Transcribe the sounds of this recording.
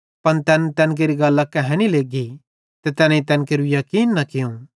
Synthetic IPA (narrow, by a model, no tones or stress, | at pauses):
pɐnt̪ɛːnɛt̪ɛ̃ːnk̬eːɾiɡɐlːakɛɦɛɽ̃ileːɡi | t̪et̪ɛːnit̪ɛːnkeɾujɐkiːnːɐkɪjũ